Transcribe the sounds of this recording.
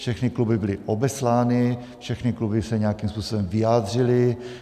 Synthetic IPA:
ʃɛxnɪklubɪbɪlɪʔobɛslaːnɪ | fʃɛxnɪklubɪsɛɲɛjakiːmspuːsobɛmvɪjaːd̪r̝ɪlɪ

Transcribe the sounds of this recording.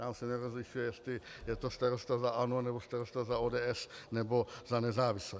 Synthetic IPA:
aːmsɛnɛɾozlɪʃujɛjɛst̪lɪjɛt̪ost̪aɾost̪azaʔanuanɛbost̪aɾost̪azaoːdɛːʔɛsnɛbozanɛzaːvɪslɛ

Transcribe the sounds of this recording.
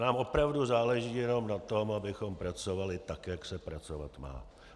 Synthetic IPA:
naːmʔo̞pɾavduzaːlɛʒiːjɛno̞mnat̪o̞mabɪxo̞mpɾat͡so̞valɪt̪akjaksɛpɾat͡so̞va̰t̪ma̰ː

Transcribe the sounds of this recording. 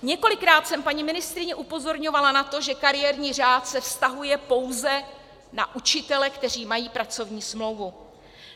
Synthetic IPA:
ɲɛko̞lɪkɾaːt̪sɛmpaɲɪmɪnɪst̪ɾɪɲɛʔupo̞zo̞ɾɲo̞valanat̪o̞ʒɛkaɾɪjɛːɾɲiːr̝aːt̪sɛfst̪aɦujɛpo̞wzɛ | naʔut͡ʃɪt̪ɛlɛkt̪ɛr̝iːmajiːpɾat͡so̞vɲiːsmlo̞wvu

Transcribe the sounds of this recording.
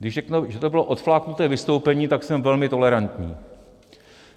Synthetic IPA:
ɡdɪʒrɛknuʒɛt̪o̞bɪlo̞ʔo̞t̪flaːknut̪ɛːvɪst̪o̞wpɛɲiːt̪aksɛmvɛlmɪt̪o̞lɛɾant̪ɲḭː

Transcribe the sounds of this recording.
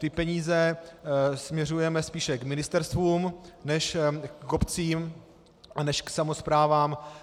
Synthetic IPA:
t̪ɪpɛɲiːzɛ | smɲɛrujɛmɛspiːʃɛkmɪnɪst̪ɛɾst̪vuːmnɛʃopt͡siːm | nɛʃksamo̞spɾaːvaːm

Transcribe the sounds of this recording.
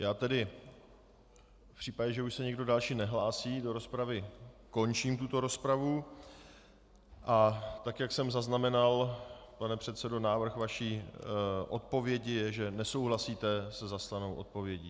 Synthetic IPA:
jaːt̪ɛdɪ | fpr̝̥iːpaɟɛʒɛuʃsɛɲɛɡdo̞dalʃiːnɛɦlaːsiːdo̞ɾospɾavɪko̞nt͡ʃiːmt̪ut̪o̞ɾo̞spɾavu | ʔat̪akjaksɛmzaznamɛnalpanɛpr̥ɛt̪sɛdo̞naːvr̩xvaʃiː | ʔo̞t̪̚po̞vjɛɟɪjɛʒɛnɛso̞wɦlasiːt̪ɛsɛzast̪anowʔo̞̰t̪̚po̞vjɛɟiː

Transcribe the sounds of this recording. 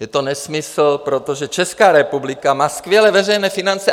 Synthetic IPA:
jɛt̪onɛsmɪsl̩pɾot̪oʒɛt͡ʃɛskaːɾɛpublɪkamaːskvjɛlɛvɛrɛjnɛːfɪnant͡sɛ

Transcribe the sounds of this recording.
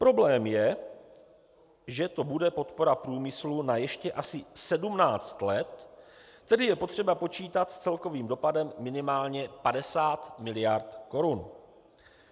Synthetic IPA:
pɾo̞blɛːmjɛ | ʒɛt̪o̞budɛpo̞t̪po̞ɾapɾuːmɪslunajɛʃcɛʔasɪsɛdumnaːt͡st̪lɛt̪ː | ɛdɪjɛpo̞t̪r̥ɛbapo̞t͡ʃiːt̪at̪st͡sɛlko̞viːmdo̞padɛmːɪnɪmaːlɲɛpadɛsaːt̪mɪlɪjaɾt̪ko̞ɾun

